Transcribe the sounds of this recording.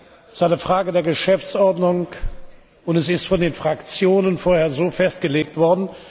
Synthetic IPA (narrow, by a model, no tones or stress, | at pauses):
ɪstaɪnəfʁ̥aːɡədeːɐɡəʃɛft͡sʔɔɐdnʊŋ | ʊntɛsɪstfɔndeːnfʁ̥akt͡sjoːnənfoːɐheːɐzoːfɛstɡ̥əleːktv̥ɔɐdn̩